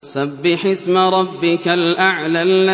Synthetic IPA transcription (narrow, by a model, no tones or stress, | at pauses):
sabːɪħɪsmɾˤɑbːɪkalʔaʕlalːa